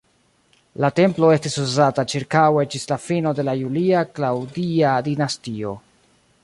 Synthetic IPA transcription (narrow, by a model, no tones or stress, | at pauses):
late̞mplo̞e̞stisuzatat͡ʃiɾkawe̞d͡ʒislafino̞de̞lajuliaklawdiadinastio̞̰